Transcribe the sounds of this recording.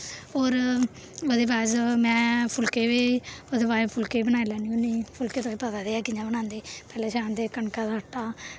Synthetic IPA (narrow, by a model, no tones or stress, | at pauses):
oːɾ | od̪eːbaːzmɛ̃ːpʰʊlkeːʋeːod̪eːbaːpʰʊlkeːbənaːilɛːniːʊniːpʰʊlkeːaĩːpət̪aːd̪eːaːkɪɲãbənãːnd̪eːpɛːlẽːʃaːnd̪eːkəɳkaːd̪aːəʈːaː